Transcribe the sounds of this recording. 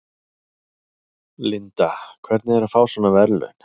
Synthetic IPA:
lɪnt̪akʰvɛɾt̪nɪɛɾafaːwsanːavɛɾlʏ̰n̥

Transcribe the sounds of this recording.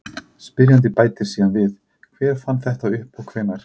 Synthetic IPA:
spɪɾjant̪̬ɪpaːjt̪ɪɾ̥siːðanvɪð | kʰvɛːɾ̥fanːθɛht̪aʏhpɔɣkʰv̥ɛːnaɾ̥

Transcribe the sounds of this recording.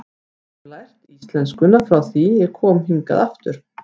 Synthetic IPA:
lajr̥t̪ist̪lɛnskʏnafɾawθiɛɾkʰɔːmhiŋka̰ðaft̪ʏɾ̥

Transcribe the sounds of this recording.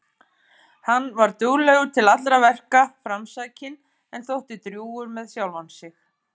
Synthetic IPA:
hanːvaɾt̪uːlɛɣʏt̪ʰɪlat̪lɾavɛr̥kafɾamsaːcɪn | ɛnθowht̪ɪt̪ɾjuːʏɾmɛðsjawlvansɪx

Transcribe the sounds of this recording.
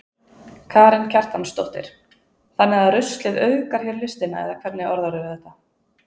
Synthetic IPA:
kʰaːɾɪncʰar̥t̪hanst̪o̰wht̪ɪ̰ɾ̥ | θanːɪaðɾʏst̪lɪðœːɥkaɾ̥çɛɾlɪst̪ɪna̰ɛ̰ðakʰv̥ɛɾt̪nɪɔɾðaɾʏvɪðɛht̪ːa

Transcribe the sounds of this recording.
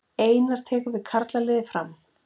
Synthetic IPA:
eːjnaɾ̥t̪ʰɛːkʏɾvɪðkʰaɾt̪lalɪːðɪfɾam

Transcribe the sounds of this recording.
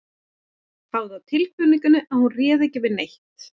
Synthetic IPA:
faːwðɪawt̪ʰɪlhkʏniŋkʏnːʏʔaðhunrɛːðɛcɪvɪɾnejht̪

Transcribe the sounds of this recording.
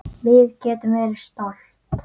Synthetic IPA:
vɪːðcɛːt̪ɪmɛːɾst̪ɔl | t̪

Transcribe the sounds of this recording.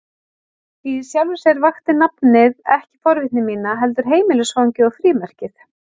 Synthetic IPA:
isjawlvɪsɛɾvaxt̪ɪnapnɪðɛhcɪ̥fɔɾvɪht̪nɪmiːnaɦɛlt̪ʏɾ̥ɦeːjmɪlɪsvawɲcɪɔɣfɾiːmɛr̥cɪθ

